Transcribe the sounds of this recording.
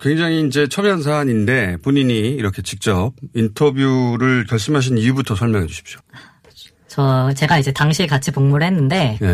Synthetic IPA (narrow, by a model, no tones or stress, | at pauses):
kwe̞ŋd͡ʑaŋiːnd͡ʑe̞t͡ɕʰʌbjans̬ʰaːɲinde̞poɲiɲiːɾʌkʰe̞t͡ɕik̚t͡ɕ͈ʌb̚intʰʌbjuɾɯɭkjʌɭs͈ɯmɦaɕ̬ʰinijubutʰʌsʰʌɭmjʌŋɦe̞d͡ʑuɕʰi̥p̚ɕ͈o̥ | t͡ɕʌt͡ɕe̞ɡaid͡ʑe̞taŋɕʰiekat͡ɕʰipoŋmuɾɯɭɦe̞nːɯnde̞je